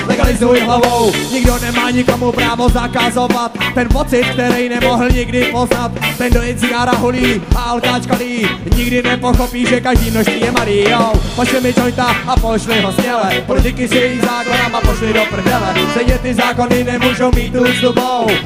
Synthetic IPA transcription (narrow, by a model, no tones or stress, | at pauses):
lɛɡalɪzujɪɦlavowɲɪɡdo̞nɛmaːɲɪko̞mupɾaːvo̞zakazovat̪̚ːɛnpot͡sɪt̪̚k̚t̪ɛɾɛjnɛmo̞ɦl̩ɲɪɡdɪpo̞znat̪ːɛndojɛnt͡sɪɡaːɾaɦuliːʔaalk̪aːt͡ʃkaliː | ɲɪɡdɪnɛpo̞xopiːʒɛkaʒdiːmnoʃst̪viːjɛmaɾijowpoʃlɪmɪt͡ʃoɲt̪aapoʃlɪɦosɲɛlɛpɾɔt̪ɪkɪsɛjɛjizaːkonamapoʃlɪdopr̩vɛlɛsɛɲɛt̪ɪzaːko̞nɪnɛmuːʒowmiːt̪ːuːsd̪ubow